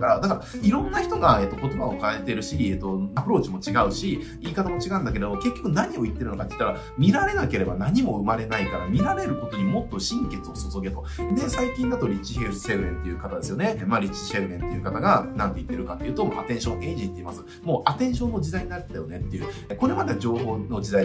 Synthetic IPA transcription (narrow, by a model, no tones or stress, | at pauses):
kaɾad̪akaɾaiɾõ̞nːaçi̥t̪o̞ɡae̞t̪ːoko̞t̪o̞bao̞kaet̪e̞ɾɯ̟ɕiet̪ːo̞apɯ̟ɾo̞ːt͡ɕimo̞t͡ɕiɡaɯ̟ɕi | iːkat̪amo̞t͡ɕiɡãnd̪akeɾe̞d̪oke̞kʲːo̞kɯ̟naɲ̟io̞it̪ːe̞ɾɯ̟no̞kat̪ːei̥t̪ːaɾa | mʲiɾaɾe̞nake̞ɾe̞banaɲ̟imo̞ɯ̟maɾe̞naikaɾamʲiɾaɾe̞ɾɯ̟ko̞t̪o̞ɲ̟imo̞t̪ːo̞ɕĩŋke̞t͡sɨo̞so̞so̞ɡe̞t̪o̞d̪e̞saikʲĩnd̪at̪o̞ɾʲit͡ɕihese̞ɯ̟ɾẽ̞nt̪ːe̞jɯ̟kat̪ad̪e̞sɨjo̞ne̞maɾʲit͡ɕi̥se̞ɯ̟ɾẽ̞nt̪ːe̞jɯ̟kat̪aɡanãnt̪eit̪ːe̞ɾɯ̟kat̪ːe̞iɯːt̪omaa̰t̪ẽ̞ɰ̃ɕõ̞e̞ːʑĩt̪ːe̞imasɨ̥ | mo̞ːʔat̪ẽ̞ɰ̃ɕõ̞nːo̞d͡ʑid̪aiɲ̟inaɾe̥t̪ajo̞ne̞t̪ːe̞jɯ̟ːko̞ɾe̞mad̪ed͡ʑo̞ːɦo̞ːno̞d͡ʑid̪ai